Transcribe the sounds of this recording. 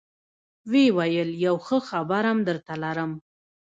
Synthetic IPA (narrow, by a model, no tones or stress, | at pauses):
wewajəljawxəxabaɾamd̪əɾt̪alaɾəm